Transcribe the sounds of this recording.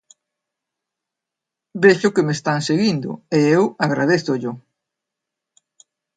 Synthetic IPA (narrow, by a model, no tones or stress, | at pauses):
beʃʊkemest̪aŋseɣind̪ʊ̰eewaɣɾa̰ð̞eθʊʎʊ